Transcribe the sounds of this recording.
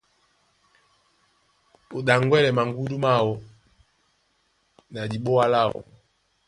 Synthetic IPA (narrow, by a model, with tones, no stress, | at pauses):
o˨ɗa˨ŋɡwɛ˦lɛ˨ma˨ŋɡu˦du˦ma˦wɔ˨ | na˨di˨ɓɔ˦a˦la˦˨ɔ̰˨